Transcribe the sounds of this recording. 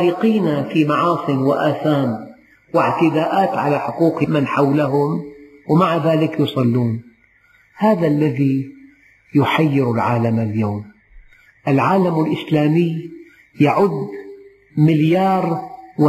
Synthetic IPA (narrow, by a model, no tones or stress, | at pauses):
ɾiːqiːnafimɑʕɑːsˤɨnwɪʔaːθaːn | wɪʕt̪ɪd̪aːʔaːt̪ʕalaħʊquːqmanħawlaɦʊm | wɪmaʕaðaːlɪkjʊsˤɑlːuːn | haːðalːaði | jʊħajːɪɾalʕaːlamaljaːm | ʔalʕaːlamɪlʔɪslaːmɪj | jaʕʊd̪ | mɪljɑːɾˤw